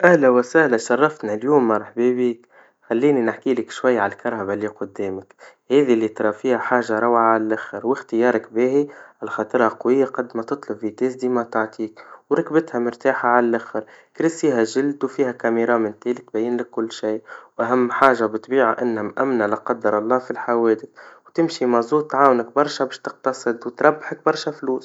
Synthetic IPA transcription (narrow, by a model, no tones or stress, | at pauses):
ʔæhlæwæsæhlaʃɑrˤːɑft̪naljuːmːɑɾˤħbebiːk | xælːiːninɪħkiːlɪkʃwajːʕalkɑɾˤhaβaliqʊd̪ːeːmɪk | hɛːðilːit̪ɾˤɑfiːhaħaːʒaɾˤɑwʕaʕalælʔaxəɾwɪxt̪əjɑːɾˤɪkbeːhiʕalxɑːt̪ˤɨɾˤhɑqwɪjːaqɑd̪ːmæt̪ɨt̪ˤlʊbfit̪eːsd̪imat̪aʕt̪ʰiːkwɾˤɑkbɪt̪hamɪɾt̪aːħaʕalalʔaxɪɾkɾɪsiːɦaʒɪld̪wfiːhakamiɾˤɑːmɪnt̪eːlɪt̪bæjːɪnlɪkːʊlːʃiːwʔaɦamːħaːʒabɪt̪biːʕa̰ʔɪnːhamʔamnalɪqɑd̪ːɑɾˤɑlˤːɑːfilħaweːd̪ɪθwt̪ɪmʃimɑzˤuːt̪ːʕaːwʊnak̚bɑɾˤʃabeːʃt̪ɪq̚t̪ɑsˤɨd̪wt̪ɾˤɑbːaħak̚bɑɾˤʃafluːs